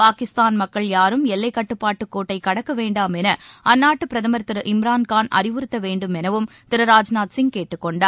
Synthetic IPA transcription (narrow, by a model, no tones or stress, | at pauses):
paːkɪst̪aːnmɐkːɐɭjaːɾɯmɛlːɐɪkːɐʈːɯpːaːʈːɯkːoːʈːɐɪkɐɽɐkːɐʋeːɳɖaːmɛnɐʔɐnːaːʈːɯpɪɾɐðɐmɐɾt̪ːɪɾʔɪmɾaːnkaːnʔɐ̰ɾɪʋɯɾɯt̪ːɐʋeːɳɖɯmɛnɐʋɯm | t̪ɪɾɐɾaːd͡ʒnaːt̪sɪŋɡkeːʈːɯkːɔɳɖaːɾ